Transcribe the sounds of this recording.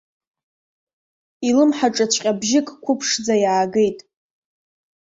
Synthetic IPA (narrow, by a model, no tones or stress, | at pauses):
ilɨmħaʈ͡ʂʼat͡ɕʷʰʼqʲʼabʒɪkʼkʷʰʊpʰʂd͡zajaːɡe̞jtʼ